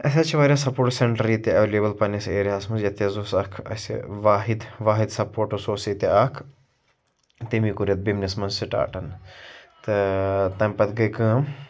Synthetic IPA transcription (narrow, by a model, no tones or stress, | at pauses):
ɐs̬ʲat͡ʃʰiʋaːɾʲjasɐpoːɾʈseɳʈɐɾiːt̪eɐʋeleːbɐlpɐnɐseːɾiɦaːsmɐsjɐt̪ezoːsɐkʰɐ̰sʋaːɦid̪ʋaːɦid̪sɐpoːɾʈosoːsit̪eɐkʰ | t̪imikuɾjɐt̪̚bimnʲismɐnssiʈa̰ːʈɐnt̪ɨt̪ɐmʲpɐt̪ɡɐjkə̃ːm